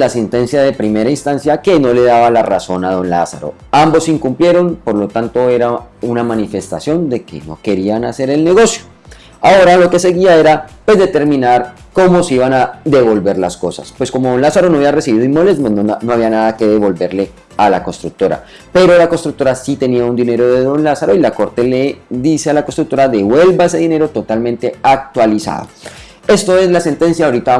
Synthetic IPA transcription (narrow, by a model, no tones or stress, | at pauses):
lasent̪e̞nsjaðe̞pɾime̞ɾainst̪ansjake̞no̞le̞ð̞aβalaraso̞naðo̞nla̰sa̰ɾo̰ | ambo̞siŋkumplje̞ɾo̞npo̞ɾlo̞t̪ant̪o̞e̞ɾaunamanife̞st̪asjo̞nd̪e̞ke̞̰no̞̰ke̞ɾianase̞ɾe̞lne̞ɣo̞sjo̞̥ | ao̞ɾalo̞ke̞se̞ɣiae̞ɾapwe̞zðe̞t̪e̞ɾmĩnaɾ | ko̞mo̞seiβanaðe̞βo̞lbe̞ɾla̰sko̞sa̰spwe̞sko̞moðonlasaɾo̞noaβiaresiβiðoinmolezmono̞aβianaðake̞ðe̞βo̞lbe̞ɾle̞ | ala̰ko̞nst̪ɾuk̚t̪o̞ɾa̰ | pe̞ɾo̞lako̞nst̪ɾuk̚t̪o̞ɾasit̪e̞niaund̪ine̞ɾo̞ðeðo̞nlasaɾo̞ilako̞ɾt̪e̞le̞ðise̞alakost̪ɾuk̚t̪oɾaðe̞βwe̞lbaes̬e̞ðine̞ɾo̞t̪o̞t̪almẽnt̪e̞ak̚t̪walisa̰ðo̞̰ | e̞st̪o̞e̞zlase̞nt̪e̞nsjaoɾit̪a